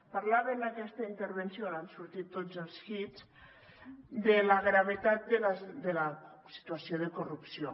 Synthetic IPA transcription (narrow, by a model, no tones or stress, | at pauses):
paɾlaβenakɛst̪əint̪əɾβensiolansuɾt̪it̪ːod͡zəlˠsxiz | d̪elaɣɾaβ̞et̪at̪̚d̪əlad̪ela | si̥t̪uasioðəkurupsio